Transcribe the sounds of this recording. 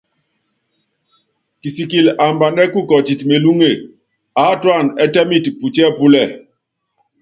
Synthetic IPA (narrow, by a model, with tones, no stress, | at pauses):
ki˨si˨ki˨la˨mba˨nɛ˦ku˦˨kɔ˨t͡ʃi˨tme˨lu˦ŋe˦˨ | a˨˦twa˦˨nɛ˦tɛ˦mi˦˨tpu˨t͡ʃɛ˦˨pu˦lɛ˦˨